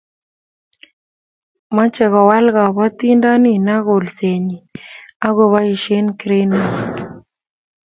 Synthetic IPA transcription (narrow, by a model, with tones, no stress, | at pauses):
ma˦t͡ʃɛ˨ɣa˨wa˦lɣa˨βa˦t̪i˦nda˦ni˦na˦ɣo˨lse˨ɲi˨a˦ɣo˨βa˦i˨ʃe˦nkɾe˦no˨s